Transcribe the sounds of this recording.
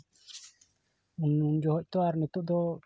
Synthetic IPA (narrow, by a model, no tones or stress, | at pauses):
unund͡ʒɔɦɔc̚ˀt̪ɔaɾnɛt̪uʔd̪ɔ